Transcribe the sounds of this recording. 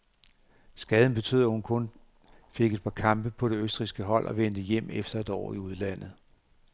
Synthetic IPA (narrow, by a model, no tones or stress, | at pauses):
sɡ̥ɛːð̞ˠn̩b̥e̝t͡sʰø̰ð̰ˠɐhunkʰɔ̽n | fe̝ɡ̥e̝d̥̚pʰɑ̈kʰɑ̈mb̥əpʰɒ̽ɾ̥e̝øsd̥ʁisɡ̥əɦɒ̽l̰ʔɒ̽ʋend̥əjem̰efd̥ɐe̝d̥ɒ̰ːiuð̞ˠlæn̰ð̞̩ˠ